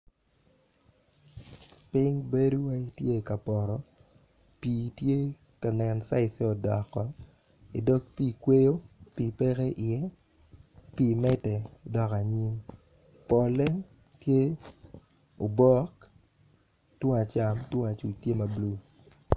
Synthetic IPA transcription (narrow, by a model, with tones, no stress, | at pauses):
pɪ˦ŋbe˦du˦wa˦i˦tje˦˨ka˨pɔ˨ɾɔ˨ | piː˨tje˦ | ka˨nɛ˨nsa˦ɪ˨se˦ɔ˨dɔ˨kːɔ˦ | ɪ˨dɔ˦k̚piː˦kwe˦jo˦pi˦˨pe˦ke˦ʔɪ˨jɛ˦ | pi˦mɛ˦tɛ˨dɔ˨ka˨ɲi˦m | pɔ˨le˦ŋ | tje˦ | o˨bɔ˦k | two˦ŋa˨t͡ʃa˨mtwo˦ŋa˨t͡ʃu˨t͡ʃtje˦ma˨blu˦˨